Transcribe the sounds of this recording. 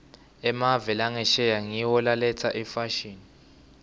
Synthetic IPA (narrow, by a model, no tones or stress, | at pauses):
ɛmavɛlaŋɛʃɛjaŋiwɔlalɛt͡sʰaʔifaʃiːni